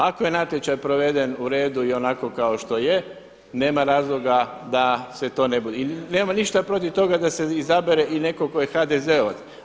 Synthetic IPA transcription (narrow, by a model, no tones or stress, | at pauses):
ako̞je̞nat̪jet͡ɕajpɾo̞ʋe̞d̪e̞nuɾe̞ːd̪uio̞nako̞kaoʃt̪o̞je | ne̞ːmaɾaːzlˠo̞ɡa | d̪ase̞t̪o̞ːne̞bud̪eine̞ːmaniʃt̪apɾo̞t̪iʋt̪o̞ɡad̪ase̞izabeɾeʔine̞ko̞ko̞jexad̪ezeoʋat̪